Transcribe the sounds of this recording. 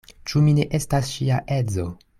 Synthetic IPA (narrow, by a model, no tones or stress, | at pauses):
t͡ʃumine̞ʔe̞stasʃiaʔe̞d͡zo̞